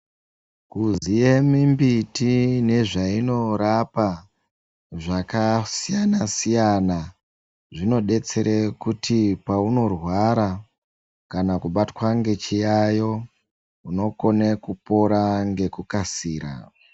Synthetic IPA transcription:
kuziemimbitine̞ʐaino̞ɾapa | ʐakasijanasijana | ʐino̞ɗe̞t͡se̞ɾekutipauno̞rwaɾa | kanakuɓatwaŋɡe̞t͡ʃijajo̞ | uno̞ko̞nekupo̞ɾaŋɡe̞kukasiːɾa̰

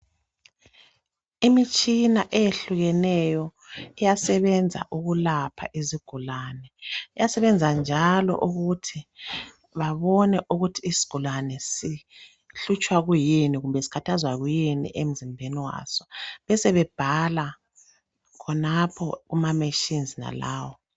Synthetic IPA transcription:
imit͡ʃʼinaʔɛjeɬuɣɛnɛjɔ | ijasɛβɛnd͡zʱa̰ʔuɣulapʰa̰ʔiziɡ̥ʱulaːnɛɛjasɛβɛnd͡zʱand͡ʒʱalɔ̰ʔuɣutʰi | βaβɔnɛʔuɣutʰiːsi̥ɡ̥ʱulanɛsi | ɬut͡ʃʼwaɣujiniɣumbʱɛsi̥kʰatʰazwaɣujinḭʔem̩zimbʱeniwa̰ːsɔ̥βɛsɛβɛb̥ʱala | kʰɔnapʰɔ̰ɣumameʃinzina̰la̰ːwɔ

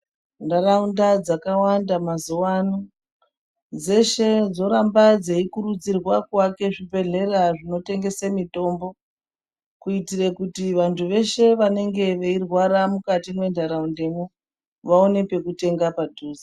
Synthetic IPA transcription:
ndaraundad͡zakawandamazowano | d͡ze̞ʃed͡zo̞ɾambad͡zeikuɾud͡zirwakwake̞ʐibʱe̞ɮe̞raʐino̞te̞ŋɡe̞semito̞mbo̞ | kuitirekutiʋantʰuʋe̞ʃe̞ʋane̞ŋɡe̞ʋeirwaɾamukatimwe̞ndaɾaundemu | ʋaonepe̞kute̞ŋɡapadʱuːzi

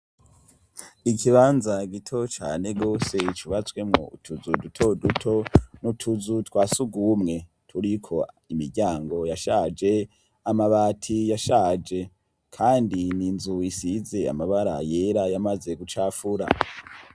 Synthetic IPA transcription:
ikiβaːnzaɡitʰo̞t͡ʃa̰ːne̞ɡo̞ːse̞t͡ʃuβat͡swe̞mŋo̰ṵtʰuzudutʰo̞dutʰo̞nutʰuzutwaːsuɡumŋe̞ | tʰuɾikʰo̞ | imiɾɟaːŋɡo̞jaʃaːd͡ʒe̞ | amaβaːtʰijaʃaːhd͡ʒe̞ | kʰaːndininzuisize̞a̰maβaɾa̰jeɾajamaze̞ɡut͡ʃaːfuɾa̰

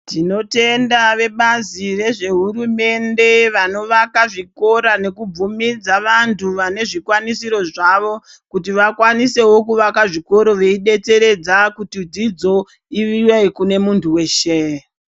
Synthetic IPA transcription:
tino̞te̞ndaʋe̞ɓazire̞ʐe̞ɦurume̞nde̞ʋano̞ʋakaʐiko̞ɾane̞kub͡vumid͡zaʋantʰuʋane̞ʐikwanisiɾo̞ʐaʋo̞ | kut̬iʋakwanise̞wo̞kuʋakaʐiko̞ɾo̞ʋe̞iɗe̞te̞ɾe̞d͡zakutid͡zid͡zo̞ | iʋiwekune̞muntʰuwe̞ːʃe

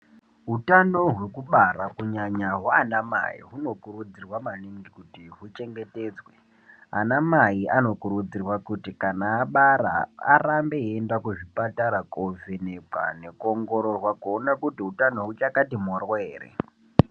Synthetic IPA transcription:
ɦutano̞ɦwe̞kuɓaɾakuɲaɲaɦaːnama̰ḭɦuno̞kuɾud͡zirwamaniŋɡikutiɦut͡ʃe̞ŋɡe̞teːd͡zwe | a̰namaiʔano̞kuɾud͡zirwakutikanaːɓaɾa̰a̰rambe̞endakuʐipataɾakovenepa̰ne̞kuoŋɡo̞ɾo̞rwakuonakutiɦutano̞ɦut͡ʃakatimorweːrḛ

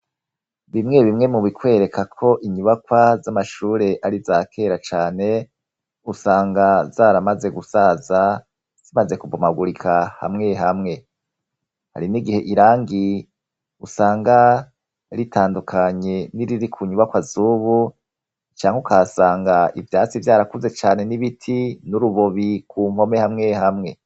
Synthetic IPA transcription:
βimŋe̞βimŋe̞muβikwe̞ːɾekʰakʰo̞ʔiɲuβakwazamaʃuːɾe̞ʔaɾizakʰe̞ːɾat͡ʃaːne̞ | usaːŋɡazaːɾamaze̞ɡusaza | z̥imaze̞kubumaɡuɾikʰaha̰mŋe̞ɦamŋe̞ | ha̰ɾiniɡihe̞ʔiɾaːŋɡi | usaːŋɡa | ɾitʰaːndukʰaɲe̞niɾiɾikʰuɲuβakwazuːβu | t͡ʃaːŋ̥eukasaːŋɡaivjaːt͡sivjaːɾakuze̞t͡ʃaːne̞niβitʰinuɾuβo̞βikʰuːm̥ho̞me̞hamŋe̞hamŋe̞

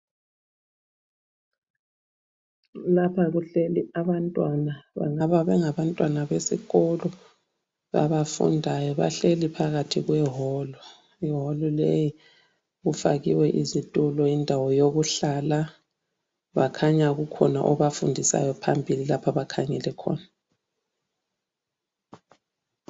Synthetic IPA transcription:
lapʰaɣuɬeliaβantʼwanaβa̰ŋaβaβɛŋaβantʼwanaβesḭɣɔlɔ | ɣa̰βafṵndʱajɔβa̰ɬelipʰaɣatʰiɣwɛɦɔlɔ | iɦɔlɔleji | ɣufa̰ɣiwɛʔizitʼulɔindʱawɔjoɣuɬala | βakʰaɲaɣukʰɔna̰ʔɔβafundʱisa̰jɔpʰambʱililapʰaβakʰaŋɛlɛkʰɔ̰ːna

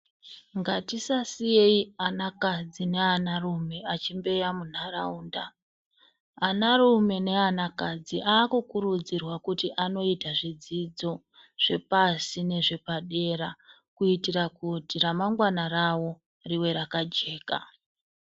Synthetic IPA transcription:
ŋɡatisasije̞ianakad͡zine̞anarume̞at͡ʃimbe̞jamun̤ara̰uːnda | narume̞ne̞anakad͡ziʔaːkukuɾud͡zirwakutiʔano̞itaʐid͡zid͡zo̞ | ʐ̥e̞̰pasine̞ʐe̞paɗe̞ra | kuitiɾakutiramaŋɡwanarawo̞ | riwe̞ɾakad͡ʒe̞ːka̰

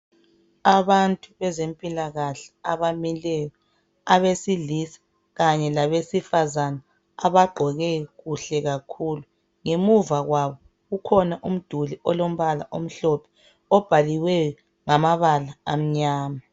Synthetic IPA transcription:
aβantʼuβɛzempʼilaɣaɬi̥aβamilɛjɔ | aβesilisḁ | ɣaɲɛlaβesifazanaː | βaɡ͡ǃʱɔɣɛɣuɬɛɣakʰuːlu | ŋemuvaɣwaβɔ | ɣukʰɔnaʔum̩d̥ʱuliɔlom̩βala̰ʔom̩ɬɔpʰɛ̥ | ɔb̥ʱaliwɛɔ | ŋamaβalaːm̩ɲaːma

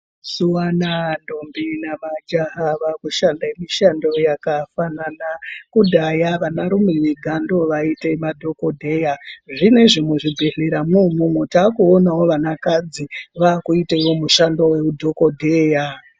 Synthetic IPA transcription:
suwanandombinamad͡ʒaɦaʋakuʃandaemiʃandojakafananakudʱajaʋanaɾumiʋeɡʱando̞ʋaite̞madʱo̞ko̞dʱe̞jaʐine̞ʐimweʐibʱeɮeɾamumumwetaːkuonawo̞ʋanakad͡ziʋaːkuitaiwo̞muʃandowe̞udʱo̞kodʱeːja

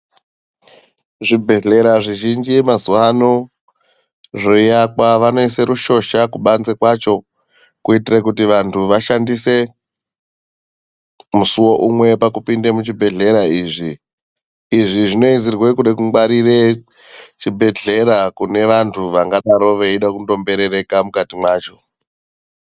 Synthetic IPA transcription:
ʐibʱe̞ɮe̞ɾaʐiʒind͡ʒimazuano | ʐoijakwaʋano̞ise̞ɾuʃo̞ʃakuɓanzekwat͡ʃo̞ | kuitirekutiʋantʰuʋaʃandise̞ | musuwo̞ʔumwe̞pakupindemut͡ʃibʱe̞ɮe̞ɾaiːʐiː | ʐiʐino̞izirwe̞kuɗekuŋɡwaɾire̞ | t͡ʃibʱe̞ɮe̞ɾakune̞ʋantʰuʋaŋɡaɗaɾo̞ʋeiɗakundo̞mbe̞ɾe̞ɾe̞kamukatimwaːt͡ʃo̞

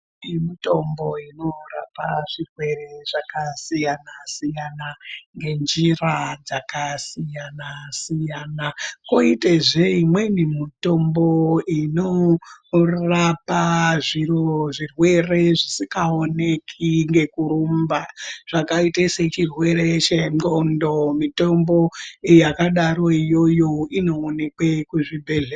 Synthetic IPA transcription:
imito̞mbo̞ino̞rapaʐ̥irwe̞re̞ʐ̥akasijanasijanaŋɡe̞nd͡ʒirad͡zakasijanasijanakoiteʐe̞imwe̞nimito̞mbo̞ino | rapaʐiroʐirwe̞re̞ʐisikaonekʰiŋɡe̞kuɾumbaʐ̥akaiteset͡ʃirwe̞ret͡ʃenondo̞mito̞mbo̞jakaɗaɾo̞ijo̞jo̞ino̞ːne̞kwekuʐibʱeɮe

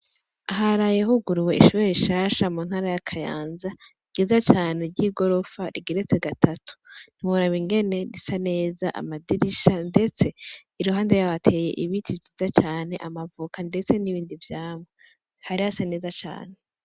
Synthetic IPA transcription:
aɦaɾajeɦuɡuɾuwe̞iʃoβeɾiʃaːʃamuːn̥haːɾajakʰaja̰ːnzaiɡ̥izat͡ʃaːne̞ɾɟiːɡo̞ɾo̞faɾiɡiɾet͡seɡatʰatʰu̥n̥iwoɾaβiŋɡe̞ne̞ɾisane̞ːzaʔa̰madiɾiʃande̞t͡se̞ | iɾuɦaːndejaβatʰe̞je̞̰ʔiβitʰivjiːzat͡ʃaːne̞ʔamavukande̞t͡se̞niβiːndivjaːmwe | haɾiasane̞ːzat͡ʃa̰ːne̞

